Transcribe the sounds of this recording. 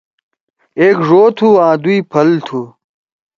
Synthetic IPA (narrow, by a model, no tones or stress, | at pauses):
eːkʐoːt̪ʰuːãːd̪uipʰɐlt̪ʰuː